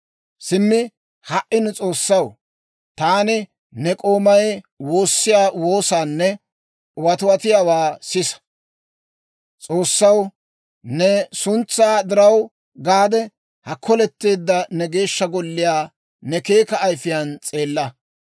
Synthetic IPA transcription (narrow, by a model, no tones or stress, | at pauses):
sɪmːɪ | hɐʔɪnt͡sʼo̞ːsːɐw | t̪aːnɪ | nɛkʼo̞ːmɐj | wo̞ːsːɪjaːwo̞ːsaːnːɛ | wɐt̪ʊwɐt̪ɪjaːwaːsɪsɐ̥ | t͡sʼo̞ːsːɐw | nɛsʊnt͡sːaːd̪ɪɾɐw | ɡaːd̪ɛ | hɐkʰːɔlɛt̪ːe̞ːd̪ːɐnɛɡe̞ːʃːɐɡɔlːɪjaː | nɛke̞ːkɐːjfɪjant͡sʼe̞ːlːɐ